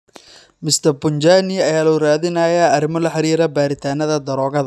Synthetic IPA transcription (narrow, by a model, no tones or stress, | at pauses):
mɪst̪ʰɐrbʊnt͡ʃaːniɐjaːlʊraːðɪnaːjaɐɾɪmɐlɐħɑɾiːɾɐbaːɾɪt̪ʰaːnɐðɐd̪ɐɾɔːɣɐðɐ